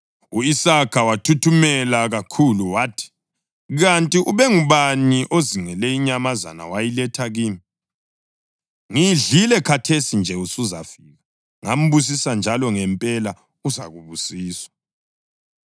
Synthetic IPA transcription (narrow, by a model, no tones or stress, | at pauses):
uisakʰawatʰutʰumɛlaɣakʰuluwatʰi̥ | ɣantʼiʔuβɛŋuβaniʔoziŋɛlɛiɲamaza̰na̰wajilɛtʰaɣiːmi | ŋiɮilɛkʰatʰesind͡ʒʱɛusuza̰fiɣa | ŋam̩βus̬isand͡ʒʱalɔŋɛmpʼɛla | uza̰ɣuβusiːswḁ